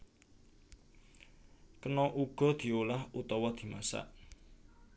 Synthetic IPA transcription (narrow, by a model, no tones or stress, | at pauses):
kənɔʔuɡ̥ɔ̤d̪̥i̤olahut̪ɔwɔd̪̥i̤ma̰sa̰ʔ